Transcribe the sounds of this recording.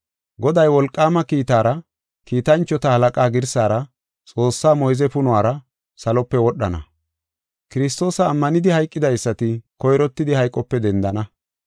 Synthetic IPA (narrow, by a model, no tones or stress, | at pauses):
ɡɔd̪ɐjwɔlkʼːaːmɐkiːt̪aːɾɐ | kiːt̪ɐnt͡ʃːɔt̪ɐhɐlɐkʼaːɡɪɾsaːɾɐ | t͡sʼo̞ːsːaːmɔjzɛpʊnʊwaːɾɐ | sɐlɔpːɛwɔɗːɐnɐ̰ | kɪɾɪst̪o̞ːsɐːmːɐnɪd̪ɪhɐjkʼːɪd̪ɐjsːɐt̪ɪkɔjɾɔt̪ːɪd̪ɪhɐjkʼɔpːɛd̪ɛnd̪ɐnɐ